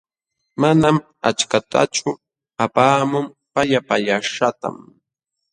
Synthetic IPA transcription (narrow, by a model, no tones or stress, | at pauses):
manam | a̰t͡ʃkat̪ʰa̰t͡ʃʊ | apaːmʊm | paʎapaʎaʃat̪a̰m